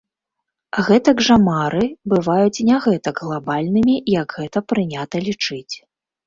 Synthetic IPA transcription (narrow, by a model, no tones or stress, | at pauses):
ɣɛt̪ɐɡʐamaɾɨbɨvajut͡sʲnʲaɣɛt̪ɐɡɣlˠabalʲnɨmʲijɐɡɣɛt̪ɐpɾɨnʲat̪ɐlʲit͡ʂɨt͡sʲ